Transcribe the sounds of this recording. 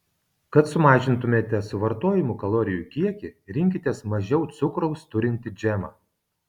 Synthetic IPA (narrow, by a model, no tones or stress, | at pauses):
kɐt̪sʊmɑːʒʲɪnt̪ʊmʲeːt̪ʲɛsʊʋɐɾt̪oːjɪmukɐlˠoːɾʲɪjuːˑkʲiɛkʲɪɾʲɪŋʲkʲɪt̪ʲeɛsmɐʒʲɛʊt̪sʊkɾɔʊst̪ʊɾʲɪnʲt̪ʲɪd͡ʒʲɛmɑ̰ː